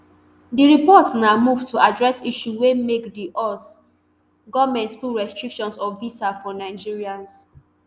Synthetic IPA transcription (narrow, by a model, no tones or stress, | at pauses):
diɹipɔtnamuvtuadɹɛsiʃuwemekdiʔɔs | ɡɔvmɛ̃ntfuɹɛstɹikʃɔ̃nsɔvisafɔnaɪd͡ʒiɹiãns